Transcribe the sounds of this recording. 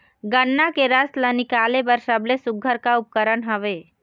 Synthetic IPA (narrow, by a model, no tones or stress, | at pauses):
ɡəɳːakeɾəslənɪkaːlebəɾsəblesʊɡʱəɾkaʊp̚kəɾəɳɦəʋeː